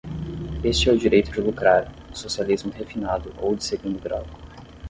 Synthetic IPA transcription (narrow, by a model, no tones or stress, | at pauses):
est͡ʃɪɛʊd͡ʒiɾejt̪ʊd͡ʒɪbukɾaɾʊ | sosializmʊhefinad̪ʊʔowd͡ʒɪseɡũnd̪ʊɡɾa̰wd̪ʊ